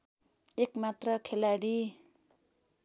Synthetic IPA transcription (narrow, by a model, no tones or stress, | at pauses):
ekmat̪rʌkʰelaɽi